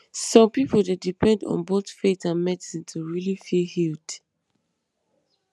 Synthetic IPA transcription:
sɔ̃mpipʰoldedipʰɛ̃ndɔ̰̃nboθfetãnmɛdsĩtʰuɹilifilhild̥

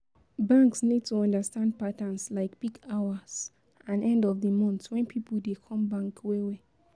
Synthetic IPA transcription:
bãŋksnid̚tuɔ̃ndastãnd̚patãnslaɪkpiɡaaz̥ | ãnɛ̃ndɔvdəmɔ̃ntwɛ̃npʰipldekʰɔ̃mbãŋkwewe

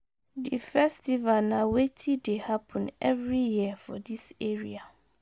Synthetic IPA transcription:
difɛstivanãwetʰidehapʰə̃nɛvɹijiəfɔ̰diseɹia

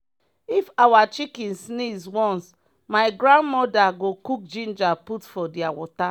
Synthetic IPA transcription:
ifawat͡ʃikĩnsniswɔ̃ns | maɪɡɹãndmɔdaɡokuk̚d͡ʒĩnd͡ʒaputfɔdiawɔta

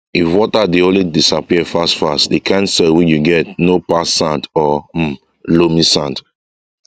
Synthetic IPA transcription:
ifwɔtadiõlidisapiɛfastfastdikʰãnsɛwit͡ʃjuɡɛtnopasãndɔm̩ | lomisãnt

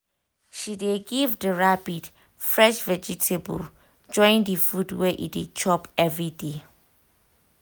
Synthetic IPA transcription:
ʃideɡivdəɹapid | fɹɛʃvɛd͡ʒitʰebṵl | d͡ʒɔ̃j̃ndəfudwɛʔḭdet͡ʃʰɔpɛvɹide

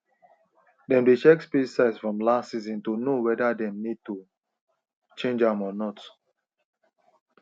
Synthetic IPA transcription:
dɛ̃mdet͡ʃɛkspisaɪsfɹɔ̃mlastsizĩntonowɛdadɛ̃mnid̚tu | t͡ʃẽnd͡ʒãmɔnɔt

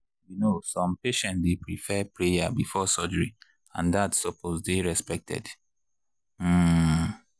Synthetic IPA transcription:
junosɔ̃mpeʃɛ̃ntdepɹifɛpɹejabifɔsɔd͡ʒəɹi | ãndatsɔposdeɹɛspɛk̚tʰɛ̰d | m̩

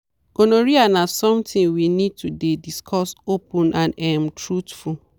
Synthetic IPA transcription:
ɡonoɹianasɔ̃mtʰĩnwinid̚tʰudediskʰɔsopʰũnʔãnɛmtʰɹutful

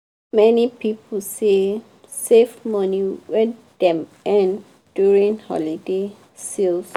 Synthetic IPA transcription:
mɛnipipʰl̩se | sefmʌniwɛ | d̪̥ɛ̃mɛ̃n | djuɹĩnhɔ̰lide | sils

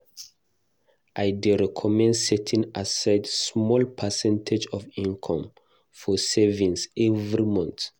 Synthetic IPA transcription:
ʔajdɛɹɛkʰɔmɛ̃ndsɛtʰĩŋasaɪdsmɔlpʰəsɛ̃ntʰed͡ʒɔvĩnkʰɔ̃m | fɔsɛvĩnsɛvɹimɔ̃nt

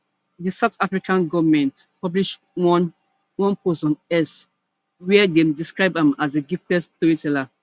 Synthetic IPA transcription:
disaʊtafɹikʰãnɡɔvamɛ̃ntpɔbliʃ | wɔ̃nposɔ̃nɛs | wɛdediskɹaɪbãmazeɡiftɛstuitɛla

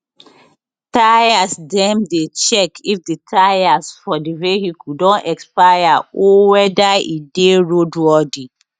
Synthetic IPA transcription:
tajasdɛ̃mdet͡ʃɛkʰifditʰajasfɔdiwehikʰudɔ̃nɛkspajaɔwɛdaḭdeɹodwɔdi

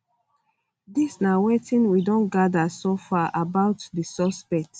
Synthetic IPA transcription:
disnawetĩnwidɔ̃nɡadasofaʔabaʊtdəsɔspɛk̚t

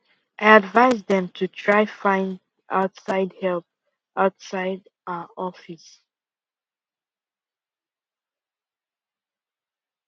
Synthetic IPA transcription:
ʔaɪadvaɪzðɛ̃mtʰutʰɹaɪfãɪ̃nd | ʔaʊtsaɪdhɛlp̚ | ʔaʊtsaɪd | aɔfis

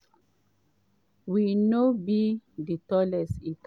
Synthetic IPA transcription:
winobiditɔlɛsit

